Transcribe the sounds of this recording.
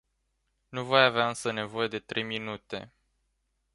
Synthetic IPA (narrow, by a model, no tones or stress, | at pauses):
nuvo̞javeaɨnsəne̞vo̞je̞d̪e̞t̪ɾe̞jminut̪e̞̰